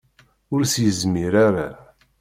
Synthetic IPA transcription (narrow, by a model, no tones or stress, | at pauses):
ʊɾsjəzmiɾaɾa